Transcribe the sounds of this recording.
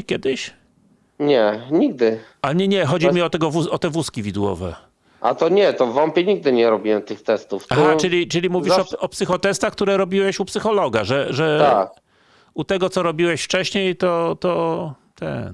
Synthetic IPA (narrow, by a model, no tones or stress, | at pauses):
kʲjɛd̪ɘɕ | ɲɛɲiɡ̚d̪ɘ | aɲɛɲɛxɔd͡ʑimʲiɔt̪ɛɡɔvuɔt̪ɛvuskʲivʲid̪wɔ̰vɛ̰ | ʔa̰t̪ɔɲɛt̪ɔvːɔmpʲjeɲiɡ̚d̪ɘɲɛɾɔbʲiwɛmt̪ɘxt̪ɛst̪ufaxat͡ʂɘlʲit͡ʂɘlʲimuvʲiʂɔɔpsɘxɔt̪ɛst̪axk̚t̪uɾɛɾɔbʲiwɛɕupsɘxɔlɔɡa̰ʐɛʐɛt̪ak | ut̪ɛɡɔt̪sɔɾɔbʲiwɛɕft͡ʂɛɕɲejt̪ɔt̪ɔ | t̪ɛ̰